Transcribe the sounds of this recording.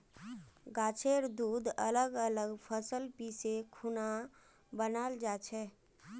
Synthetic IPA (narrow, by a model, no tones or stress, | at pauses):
ɡat͡ʃʰeɾd̪ud̪ələɡələɡpʰəsəlpisekʰuna | bənald͡ʒat͡ʃʰɛ